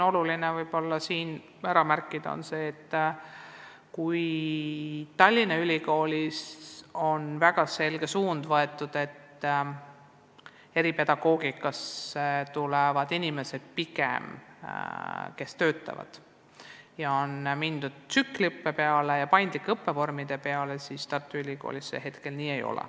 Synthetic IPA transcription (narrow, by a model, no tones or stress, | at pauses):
o̞lulinevɤjb̥o̞lːɑsiːn | æɾɑmærkːˑid̪ɑo̰nse̞ːt̪ː | kuj | t̪ɑlʲːinɑylʲiko̞ːlʲiso̞nvæɡ̥ɑse̞lɡ̥e̞suːnd̪̥vɤe̞t̪ːˑud̪̥e̞t̪ː | e̞ɾipe̞d̪̥ɑɡ̥o̞ːɡikːˑɑset̪ulevɑd̪̥inʲime̞se̞d̪̥̚pikḛm | ke̞st̪ø̞ːt̪ːˑɑ̰vɑ̰d̪̥ | jɑonmind̪̥ud̪̥̚t̪sykːlʲiɤpːepeɑlejɑpɑjnd̪̥likːeɤpːe̞vo̞rmid̪̥e̞pe̞ɑle̞sist̪ɑrt̪ːˑuylʲiko̞̰ːlisːḛɦe̞t̪ke̞lniːe̞jo̞̰lɛ̰